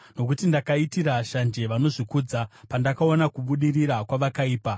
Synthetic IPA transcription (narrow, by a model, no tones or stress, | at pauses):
no̞k̬utindakaitiɾaʃand͡ʒe̞ʋano̞ʐikud͡zapandakaonakuɓuɗiriɾakwaʋakaiːpa